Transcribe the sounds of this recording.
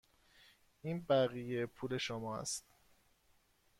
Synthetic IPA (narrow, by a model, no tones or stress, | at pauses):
iːnbæɣijepʰuːle̞ʃomɒːæ̰st̪